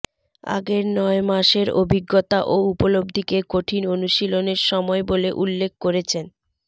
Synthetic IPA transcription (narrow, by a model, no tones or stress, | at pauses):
a̰ɡeɾnɔemaʃeɾobʱiɡːot̪aʔoupolobd̪ʱikekoʈʰinonuʃiloneɾʃɔmɔeboleʔulːek̚ʰkoɾet͡ɕʰen